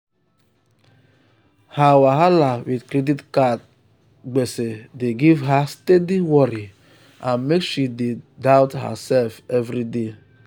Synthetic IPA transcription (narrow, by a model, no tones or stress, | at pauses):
hawaɦalawidkɾeditkat | ɡ͡besedeɡivɦastediwɔɾi | ãnmekʃidedaʊtɦa̰sɛlfɛvɾide